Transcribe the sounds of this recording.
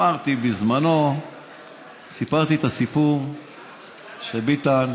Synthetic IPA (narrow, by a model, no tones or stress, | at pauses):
aʁt̪ibizmano̞ | sipaʁt̪iet̪asipuʁ | ʃebit̪an